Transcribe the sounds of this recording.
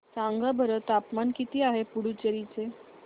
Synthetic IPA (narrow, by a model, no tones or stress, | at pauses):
saŋɡəbʱəɾət̪apmankit̪iːaɦepuɽut͡ɕeɾit͡se